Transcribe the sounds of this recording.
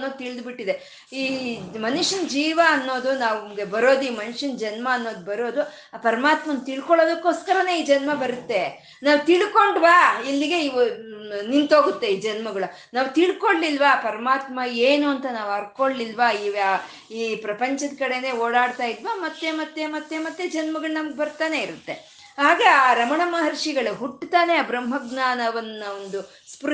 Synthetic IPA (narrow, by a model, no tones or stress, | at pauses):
nːoːt̪iɭd̪biʈːid̪e̞ | iːmɐnuʂɐnd͡ʒiːʋɐːnːoːd̪unaːʋmɡe̞bɐɾo̞ːd̪uiːmɐnuʂɐnd͡ʒɐnmɐːnːo̞ːd̪ubɐɾo̞ːd̪u | pɐɾɐmaːt̪mɐnt̪iɭkoɭo̞ːd̪ɐkːoːskɐɾɐne̞iːd͡ʒɐnmɐbɐɾut̪ːe̞ | naːʋt̪iɭko̞ɳɖʋaːilːiɡe̞i | nint̪o̞ːɡut̪ːe̞iːd͡ʒɐnmɐɡɐɭu | naːʋt̪iɭkoɭlilːʋaːpɐɾɐmaːt̪mɐeːnuɐnt̪ɐnaːʋɐɾkoɭlilʋaiːʋaː | iːpɾɐpɐɲt͡ʃɐd̪kɐɽe̞ne̞ːoːɽaːɽt̪aːjid̪ʋaːmɐt̪ːe̞mɐt̪ːemɐt̪ːemɐt̪ːed͡ʒɐnmɐɡɐɭunɐmɐɡebɐɾt̪aːne̞iɾut̪ːe̞ | ɦaːɡeaːɾɐmɐɳɐmɐɦɐɾʂiɡɐɭuɦuʈːt̪aːne̞ɐbɾɐmɦɐɡnaːnɐʋɐnːɐond̪u | spɾ